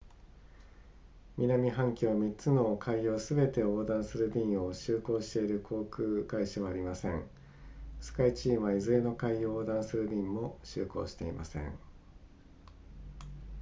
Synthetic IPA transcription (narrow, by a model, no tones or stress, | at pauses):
mʲinamʲiɦãŋkʲomʲit͡sɨno̞kʰaijo̞ːsɨbe̞t̪e̞o̞ːd̪ãɰ̃sɨɾɯ̟bʲĩɰ̃o̞ɕɨːko̞ːɕi̥t̪e̞iɾɯ̟kʰo̞ːkɯ̟ːɡaiɕaβaːɾʲimasẽ̞̰ŋ | sɨ̥kait͡ɕĩːβaizɨe̞no̞kaiooːd̪ãɰ̃sɨɾɯ̟bʲĩmːo̞ɕɨ̰ːko̞̰ːɕi̥t̪e̞ima̰sḛ̃ɴ